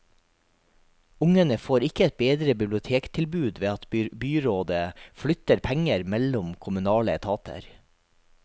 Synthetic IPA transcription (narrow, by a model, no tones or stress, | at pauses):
ʊŋənəfoːɾɪkəɛt̪̚beːd̪ɾəbɪblɪʊt̪ʰeːkt̪ʰɪlbʉːd̪ʋeːɑt̪byːɾoːd̪əflʏt̪əɾpʰæŋəɾmɛlʊmkʰʊmʉnɑːlət̪ʰɑːt̪ʰə̰ɾ